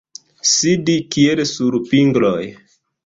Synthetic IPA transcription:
sidikielsuɾpiŋɡloj

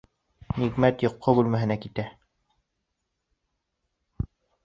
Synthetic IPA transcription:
niɣmæt̪jŏqːobʉlmæɦɘ̆nækit̪æ

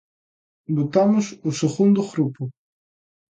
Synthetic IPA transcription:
bot̪amʊsʊseɣund̪ʊɣɾupʊ

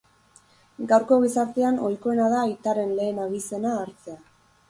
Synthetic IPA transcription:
ɡawɾko̞ɣ̞isaɾt̪e̞ano̞jko̞enaðait̪aɾe̞nle̞ːnaɣise̞naːɾt͡sea

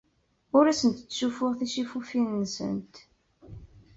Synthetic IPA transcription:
ʊɾæsənt̪t͡sːʃufʊʁθiʃifufinːsə̰nt̪

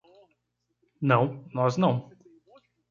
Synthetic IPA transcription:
nɐ̃w̃nɔznɐ̃w̃

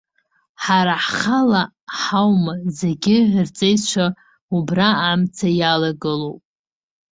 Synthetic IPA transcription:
ħaɾaħχala | ħawmazeɡʲɪʕrt͡sʼejt͡ʃʷʰa | ubraːmt͡sʰajalaɡɨlowpʼ

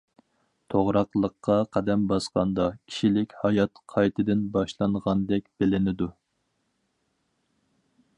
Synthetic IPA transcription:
t̪ʰoʁɾɑqlˠəqːɑqʰɛd̪ɛmbɑsqɑnd̪ɑkʲʰi̥ʃilɪkʲhɑjɑt̪qʰɑjt̪ʰɨd̪ɪnbɑʃlˠɑnʁɑnd̪ɛkʲbɪlɪnɪd̪u

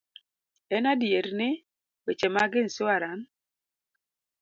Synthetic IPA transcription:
ɛnadjeɾnɪ | wet͡ʃemaɡɪnsʊaɾan

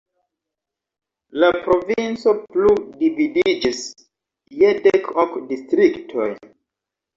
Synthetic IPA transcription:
lapɾovinsopludividid͡ʒis | jedɛkʰɔkdistɾiktʰoj

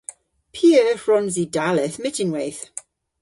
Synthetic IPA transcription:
pʰiːəfɹɔnzidalɪθmɪtɪnwejθ

